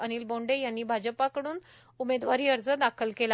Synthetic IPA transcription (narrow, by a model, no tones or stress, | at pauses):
əniːlbõɳɖejanːiːbʱad͡ʑəpakəɽuːn | umed̪ʋaɾiːəɾd͡zəd̪akʰəlkela